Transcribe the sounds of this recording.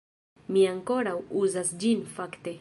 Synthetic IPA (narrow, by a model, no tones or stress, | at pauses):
miaŋkoɾawuzasd͡ʒinfakt̪e